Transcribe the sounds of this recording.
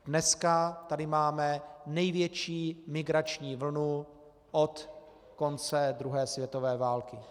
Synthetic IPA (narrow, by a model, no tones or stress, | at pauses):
dnɛskat̪adɪmaːmɛnɛjvjɛt͡ʃiːmɪɡɾat͡ʃɲiːvl̩nu | ʔot̪ | ko̞nt͡sɛd̪ɾuɦɛːsvjɛt̪o̞vɛːvaːlkɪ